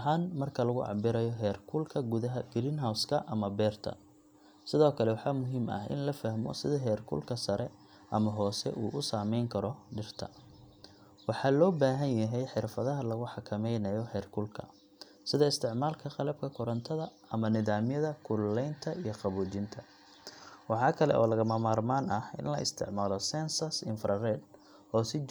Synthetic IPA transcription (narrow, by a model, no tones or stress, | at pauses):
ɦaːnmɐrkʰɐlɐɣʊʕɑ̰bɪɾɐjɔɦɛːrkʰʊlkʰɐɡuðɐɦɐɡ̥ɾiːnɦawskʰɐʔɐmɐbɛːrt̪ʰɐ̰ | sɪðɔːkʰɐlɛwɑħɑːmʊɦiːmɐ̰hʔɪ̰nlɐfɐhmɔ̰sɪðɐɦɛːrkʰʊ̰lkʰɐsɐɾɛ | ʔɐ̰mɐɦɔːsɛ̰ʔuːʔʊsaːmɛjŋkʰɐɾɔɖɪrt̪ʰɐ̰ | wɑħɑːlɔːbaːɦɐnjɐɦɛjħɪrfɐðɐɦɐlɐɣʊħɑkʰɐmɛjnɐjɔhɛːrkʰʊlkʰɐ̰ | sɪðɐɪst̪ʰɪʕmaːlkʰɐqɑlɐb̚kʰɐkʰʊɾɐnt̪ʰɐðɐ | ɐmɐnɪðaːmjɐðɐkʰʊllɛjnt̪ʰɐʔijɞqɑβuːd͡ʒɪnt̪ʰɐ | wɑħɑːkʰɐlɛ̰ʔɔ̰ːlɐɣɐmɐmaːrmaːnɐhɪ̰nlɐ̰ɪ̰st̪ʰɪ̰ʕmaːlɔsɛnsɐsɪ̰nfɾɐrɛd̪ | ʔɔːsɪ